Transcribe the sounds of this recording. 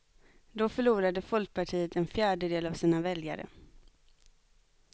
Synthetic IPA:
d̪ɔfœɭuːɾad̪əfɔlk̚pʰaʈʰiːət̪ɛnfjæːɖəd̪eːlavsiːnavɛlja̰ɾə̰

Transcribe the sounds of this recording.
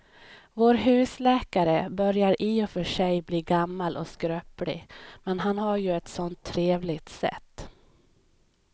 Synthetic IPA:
voːɾɦʉ̟ːslɛːkaɾəbœɾjaɾiːɔfœʂɛjbliːɡamːalʔɔ̰skɾøplɪ̰mɛnɦanhaɾjɵɛt̪sɔnt̪ʰːɾeːvlɪɡt̪sɛ̰t̪ː

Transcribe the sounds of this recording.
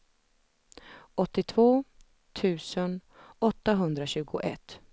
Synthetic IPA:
ɔt̪ːɪt̪ʰvoː | t̪ʰʉ̟ːsən | ɔt̪ːaɦɵnd̪ɾaɕʉ̟ːɡʊʔɛt̪ː

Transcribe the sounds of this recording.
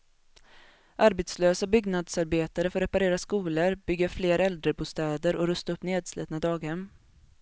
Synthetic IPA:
ʔaɾbɛt̪sløːsabʏɡnad̪saɾbeːt̪aɾəfœɾːɛpaɾeːɾaskuːləɾb̥ʏɡːəɾfleːɾɛld̪ɾəbuːst̪ɛːd̪əɾʔɔɾɵst̪aɵpːneːd̪slḭːt̪nad̪ɑːɡhɛmː

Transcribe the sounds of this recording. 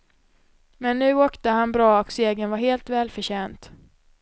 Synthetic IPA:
mɛnːʉ̟ːoːkt̪əhanbɾɑːɔkseːɡənvaɾheːlt̪vɛːlfœɕɛːnt̪

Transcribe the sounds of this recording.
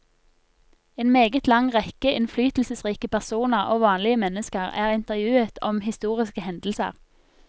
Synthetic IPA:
eːnmeːɡət̪lɑŋʁɛkəʔɪnflyːt̪l̩səsʁiːkəpæʁsuːnəʁo̰ːʋɑːnlɪəmɛnəskəʁæːʁɪnt̪əʁjʉːət̪ʰɔmhɪst̪uːʁɪskəhɛnd̪l̩sə̰ʁ

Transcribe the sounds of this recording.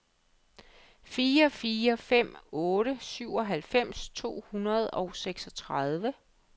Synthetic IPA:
fiːɐfiːɐfem̰ɔ̽ːɾ̥əsyʊ̰ɒ̽ɦælfem̰st͡sʰo̝̰ːhunɐð̞ˠɒʊseɡ̥sɒ̽t͡sʰʁɑð̞ˠʋə

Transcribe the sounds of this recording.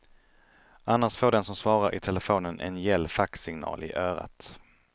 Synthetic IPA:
ʔanːaʂfoːɖɛnsɔmsvɑːɾaɾɪ̰t̪ʰɛləfoːnənʔɛ̰njɛlːfaksɪŋnɑ̰ːlɪ̰ʔœːɾa̰t̪

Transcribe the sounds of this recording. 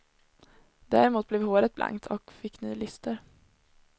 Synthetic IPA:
d̪̥æ̰ːɾɪmuːt̪̚blɛːvhoːɾət̪̚bla̰ŋkt̪ʰɔkfɪkːny̰ːlʏst̪əɾ

